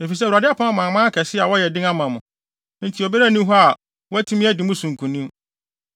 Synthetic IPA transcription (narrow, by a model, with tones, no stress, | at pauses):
e˨fi˨s̬ɛ˦u˨ɾa˨dɪ˦a˦pʰã˦mã˨mã˦kʰɛ˨sɪ˦a˨wɔ˦jɛ˨dɪ̃˦ŋã˦mã˨mʊ̰̃˨˦ | n̩˦tʰi˨ɔ˨be˦ɾæ˦˨nĩ˦ɦɔ˦a˨ | wɔ˦æ˦tʰĩ˦mɪ̃˦æ˦di˨mʊ̃˦sũ˨ŋ˨kʰũ˨nĩ˦